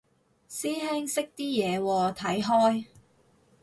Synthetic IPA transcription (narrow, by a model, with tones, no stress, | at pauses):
siː˥ɦɛː˥ŋsɪ˥k̚t̪iː˥jɛː˨˧wɔː˧t̪ʰɐ˨˥jɦɔː˥j